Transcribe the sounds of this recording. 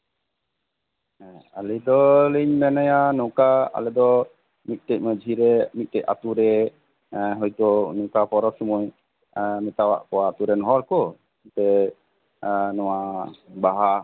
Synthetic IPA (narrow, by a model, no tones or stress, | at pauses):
alɛd̪ɔləɲmɛnɛjanukaa̰lɛd̪ɔ | mit̪̚ˀt̪ɛc̚məd͡ʒʱiɾɛmit̪̚t̪ɛc̚a̰t̪uɾɛ | ɦɔjt̪ɔnukapɔɾɔt̪sumuj | mɛt̪awa̰ʔkɔwaːt̪uɾɛnɦɔɾkɔ | t̪ɛ | nɔwabaɦa